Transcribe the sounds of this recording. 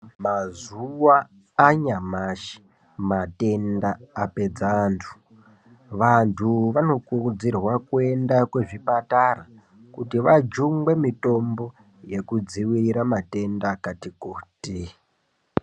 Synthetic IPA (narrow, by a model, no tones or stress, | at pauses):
mazuwaː | ɲamaʃi̥ | mate̞ndaːpe̞d͡zantʰu̥ | ʋantʰuʋano̞kurud͡zirwakue̞ndakwe̞ʐipatara | kutiʋad͡ʒuŋɡe̞mito̞mbo̞ | je̞kud͡ziwiɾamate̞ndakatikoːte